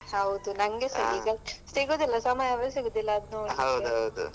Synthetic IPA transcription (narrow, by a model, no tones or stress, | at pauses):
hɐwd̪unɐŋɡesɐɡiɡɐsiɡod̪ilːɐsɐmajɐʋɐɾsiɡod̪ilːɐːd̪noɐwd̪ɐwd̪ṵ